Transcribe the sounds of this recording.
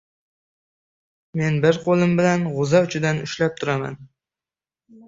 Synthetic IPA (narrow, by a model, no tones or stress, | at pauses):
me̞nbɪɾqʰolˠɪmbɪlanʁʊzaʊt͡ʃʰɪd̪anʊʃlap̚t̪ʰʊɾama̰n